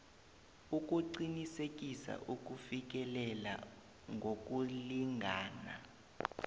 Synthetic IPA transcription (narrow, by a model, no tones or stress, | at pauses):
uk̬ʼuǀinisek̬ʼisa̰ʔuk̬ʼufik̬ʼɛlɛla̰ | ŋɡʱok̬ʼuliŋʱaːna̰